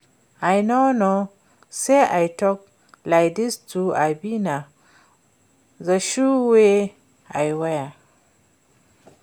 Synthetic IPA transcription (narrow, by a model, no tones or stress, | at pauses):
ajnono | seʔajtɔk̚ | lajk̚distuabina | zaʃuwe | ajwaja